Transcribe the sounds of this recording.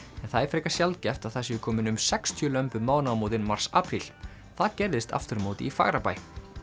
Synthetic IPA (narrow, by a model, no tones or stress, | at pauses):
ɛnθaðɪfɾekasjalt̪̚cɛft̪aθɛsːɪkʰɔːmɪnʏmsɛkst̪ʰjœlœmpʏmaːwnamoːwt̪̬ɪnmar̥saːpʰɾil̥ | θaðcɛɾðɪst̪ʰa̰ft̪ʏɾmowt̪ɪifa̰ɣɾapaːj